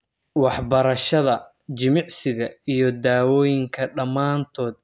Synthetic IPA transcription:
wɑħbɐɾɐʃɐðɐ | t͡ʃɪmɪʕsɪɣɐijɞd̪aːwɔːjɪŋkʰɐɖɐmaːnt̪ʰɔːd̪̚

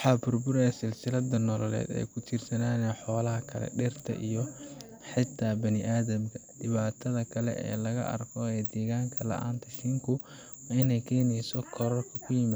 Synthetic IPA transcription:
wħɑːbʊrbʊɾɛsɪlsɪlɐd̪ɐnɔlɔlɛ̰ːd̪ɛ̰jkʰʊt͡ʃʰɪrsɐnaːnɛːħɔːlɐɦɐkʰɐlɛ̰ɖɛrt̪ʰɐ̰ʔijɔ | ħɪt̪ʰːaːbɐnɪʔaːðɐm | ɖɪβaːt̪ʰɐðɐkʰɐlɛ̰ʔɛ̰ːlɐɣɐ̰ʔɐ̰rkʰɔɛd̪ɛːɣaːŋkʰɐlɐ̰ʔa̰ːnt̪ʰɐʃɪŋkʰʊ | ɪnɛjkʰɛːnɛjsɔkʰɔɾɐrkʰɐkʰʊjɪma

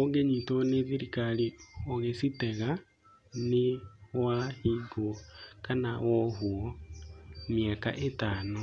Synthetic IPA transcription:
oɡeɲitɔneðiɾikalioɣesitɛɣa | newahiɡɔkanawɔɦuɔ | mjakaʔetano

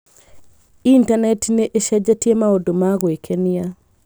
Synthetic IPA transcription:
intanɛtneʔeʃɛd͡ʒatjemaodomaɡwekʰenɪja

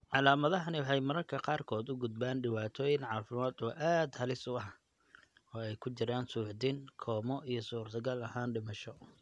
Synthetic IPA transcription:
ʕɑlaːmɐðɐɦɐnɪwɑħɑjmɐɾɐrkʰɐqɑːrkʰɔːd̪ʊɡʊd̪̚baːnɖɪwaːt̪ʰɔːjɪŋʕɑːfɪmaːd̪ɔːʔaːd̪hɐlɪsʊɐh | ɔːɛjkʰʊt͡ʃɪɾaːnsuːʕd̪iŋkʰɔːmɔʔijɞsuːrt̪ʰɐɣɐlɐhaːnɖɪmɐʃɔ

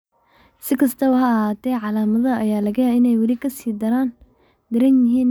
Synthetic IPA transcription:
sɪkʰɐst̪ʰɐuɦɐɦaːt̪ʰɛːʕɑlaːmɐðɐɐjaːlɐɣɐjɐɪnɛjwɐlikʰɐsiːd̪ɐɾaːn | d̪̥ɐɾɐnjɪɦiːn

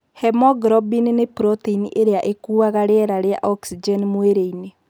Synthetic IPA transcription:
hɛmɔɡɾɔbininepɾɔteinḭʔeɾeaʔekuːaɣaɾeɛɾaɾea̰ʔɔksid͡ʒɛnmweɾeine

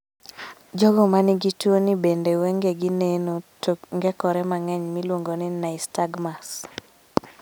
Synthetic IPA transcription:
d͡ʒɔɡɔmanɪɡitwonɪbendewɛŋɡeɡinenotoŋɡɛkɔɾɛmaŋɛɲmilwoŋɡonɪnaɪstaɡmas

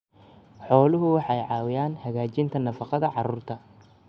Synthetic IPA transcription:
ħɔːlʊɦʊwɑħɑjʕɑːwɪjaːnhɐɣaːt͡ʃɪnt̪ʰɐnɐfɑqɑðɐʕɑruːrt̪ʰɐ

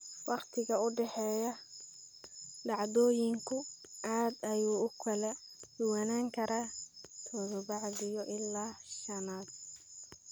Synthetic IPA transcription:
wʔɑqt̪ʰɪɣɐʊɖɛħɛːjɐ | ɖɑʕd̪ɔːjɪŋkʰʊʔaːd̪ɐjuːʊkʰɐlɛd̪̥ʊwɐnaːŋkʰɐɾaːt̪ʰɔːðɔbɑʕðɪjɔʔɪlːaːʃɐnaːd̪̚

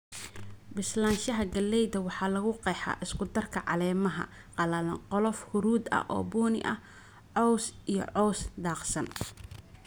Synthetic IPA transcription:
bɪslaːnʃɐɦɐɡɐlːɛjðɐwɑħɑːlɐɣʊqɛjħɑ̰ːʔɪskʰʊd̪ɐrkʰɐʕɑ̰lɛːmɐɦɐ̰ | qɑlɐlɐqɔlɔfhʊɾuːd̪ɐ̰hʔɔ̰ːbɔːnɪ̰ʔɐ̰h | ʕɔwsijɔ̰ʕɔwsd̪ɑːqsɐn

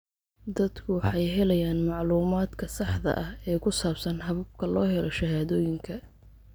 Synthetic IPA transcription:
d̪ɐd̪kʰʊwɑħɑjɦɛlɐjaːnmɑʕluːmaːd̪kʰɐsɑħd̪ɐ̰ʔɐhɛːkʰʊsaːbsɐnhɐβɐb̚kʰɐlɔːɦɛlɔʃɐhaːðɔːjɪŋkʰɐ

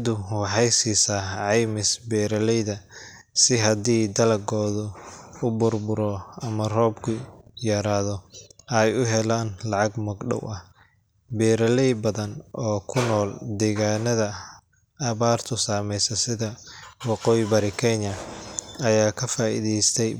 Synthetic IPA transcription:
d̪ʊwɑħɑjsiːsɐʕɑjmɪsbɛːɾɐlɛjðɐ | sɪɦɐd̪iːd̪ɐlɐɡɔːðʊʊbʊrbʊɾɔɐmɐrɔːbkʰʊjɐɾaːðɔɛjʊɦɛlaːnlɑʕɑɡmɐɡɖɔ̰wʔɐh | bɛːɾɐlɛjbɐðɐnɔːkʰʊnɔːld̪ɛːɣaːnɐðɐ | ɐβaːrt̪ʰʊsaːmɛjsɐsɪðɐwɑqɔːjɪbɐɾɪkʰɛɲɐɐjaːkʰɐfaːʔḭːðɛjst̪ʰɛj

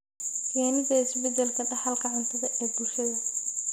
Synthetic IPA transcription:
kʰɛːnɪdɐɪsbɛd̪ɛlkʰɐɖɑħɑlkʰɐʕɪnt̪ʰɐðɐʔɛːbʊlʃɐðɐ

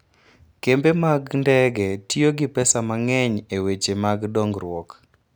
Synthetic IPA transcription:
kembemaɡndɛɡɛtioɡɪpɛsamaŋɛɲewet͡ʃemaɡdɔŋɡrwɔk

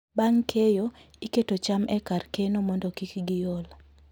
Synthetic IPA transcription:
baŋkʰejo | iketot͡ʃamʔɛkarkenomɔndɔkikɡɪjol

